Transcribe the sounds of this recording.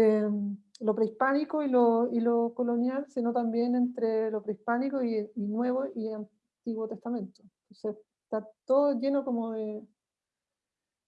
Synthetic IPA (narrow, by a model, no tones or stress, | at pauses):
e | lopɾejspanikoiloilokolonjalsinot̪ambje̞nent̪ɾelopɾejspanikoiinwe̞βoian | t̪iɣwot̪eht̪amẽ̞nt̪ot̪ose | t̪at̪oðoʝe̞nokomoðe